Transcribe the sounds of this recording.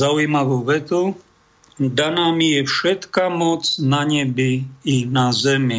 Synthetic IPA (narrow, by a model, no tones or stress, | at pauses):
auimaʋuːvɛt̪u | d̪anaːmijɛfʃɛt̪kamɔt͡snaɲɛbiːnazɛmi